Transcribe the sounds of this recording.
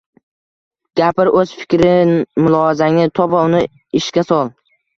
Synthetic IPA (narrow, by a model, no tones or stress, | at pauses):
ɡ̥ʲapɪɾɵz̥fɪ̥kʲɾɪmʊlˠɒazaŋɪt̪ʰɒbaʊnɪ | ɪʃkʲasɒlˠ